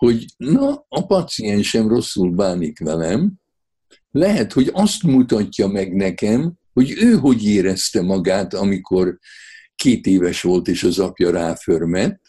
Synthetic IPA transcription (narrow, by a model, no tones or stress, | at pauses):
ho̞ɟnɒːpɒt̪sijɛnʃɛmro̞sːulbaːnikʋɛlɛm | lɛɦɛt̪ho̞ɟɒst̪mut̪ɒcːɒmɛɡnɛkɛm | ho̞ɟøːɦo̞ɟeːɾɛst̪ɛmɒɡaːt̪ɒmikʰo̞rkeːt̪eːvɛʃʋo̞lt̪eːʃɒzɒpjɒɾaːførmɛt̪ː